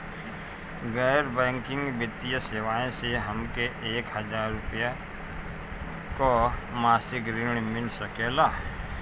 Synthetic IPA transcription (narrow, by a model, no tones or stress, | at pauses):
ɡəːɾbɛ̃ːŋkɪ̃ŋɡbjət̪ːijəseːʋaːẽseɦəmkeʔeːkhəd͡ʒaːɾːʊpja | komaːsɪkɾɪɳ̃mɪlsəkeːlaː